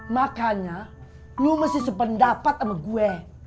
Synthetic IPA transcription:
makaɲa | ɲuməsisəpəndapat̪̚amaɡuɛ

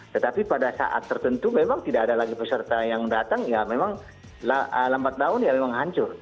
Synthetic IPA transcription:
t̪ət̪apipadasa̰ʔa̰t̪ːərt̪ənt̪umemaŋt̪idaadalaɡipəsərt̪ajaŋdat̪aŋjamemaŋ | laəlambat̪̚laʊnjamemaŋɦaɲt͡ʃʊr

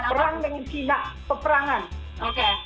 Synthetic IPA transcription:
pəɾaŋdəŋt͡ʃinaʔpəpəɾaŋan

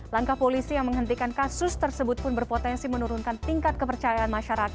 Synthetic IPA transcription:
laŋkahpolisijaŋməŋɦənt̪ikankasʊst̪ərsəbʊt̪̚pʊnbərpot̪ɛnsimənuɾʊnkant̪iŋkat̪̚kəpərt͡ʃajaʔanmaʃaɾaka

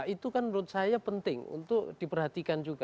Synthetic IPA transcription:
it̪ukanɾʊt̪̚sajapənt̪ɪŋṵnt̪ʊk̚d̥ipərɦat̪ikand͡ʒuɡa

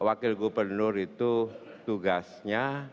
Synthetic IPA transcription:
wakɪlɡubərnʊrit̪u | t̪uɡasɲa

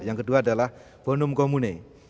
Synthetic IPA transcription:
jaŋkəduadala | pɔnumkɔmune

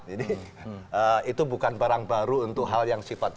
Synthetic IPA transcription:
d͡ʒidi | əit̪ubukanbaɾaŋbaɾuunt̪ʊk̚ɦaljaŋsifat̪̚

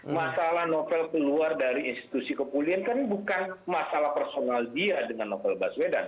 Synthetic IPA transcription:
masalahnofɛlkəluardaɾiinst̪i̥t̪usikəpuliankəribukanmasalahpərsonaldiadəŋanːofɛlbasweda̰n

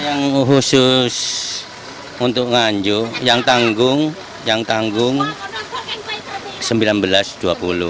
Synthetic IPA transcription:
jaŋɦusʊs | unt̪ʊk̚ŋaɲd͡ʒʊjaŋt̪aŋɡʊŋ | jaŋt̪aŋɡʊŋ | səmbilanbəlasd̪̥uapulʊ̰h

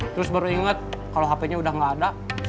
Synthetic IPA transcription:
t̪əɾʊsbaɾuiŋat̪̚kaloɦapeɲaudahŋɡaːda

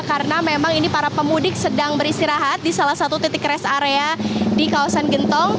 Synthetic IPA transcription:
kaɾənamemaŋinipaɾapəmudɪksədaŋbəɾist̪iɾaɦat̪̚disalahsat̪ut̪it̪ɪkɾɛsaɾeadikawasanɡənt̪ɔŋ

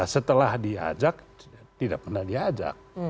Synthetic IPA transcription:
asət̪əlahdia̰d͡ʒak̚ | t̪idaʔ̚pərnahdiad͡ʒa̰k̚

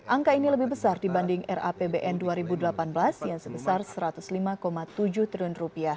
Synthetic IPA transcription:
ʔaŋkainiləbɪhbəsardibandɪŋɛra̰pebeʔɛnduaɾibudəlapanbəlasjaŋsəbəsarsəɾat̪uslimakomat̪ud͡ʒuht̪ɾunrupiah

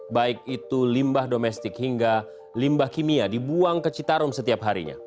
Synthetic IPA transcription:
baik̚it̪ulimbahdomɛst̪ɪkhiŋɡa | limbahkimiadibuaŋkət͡ʃit̪aɾʊmsət̪iapɦaɾḭɲa̰

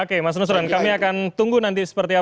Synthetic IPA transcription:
okemas̬nus̬ɾankamiakant̪uŋɡunant̪isə̥pərt̪ia

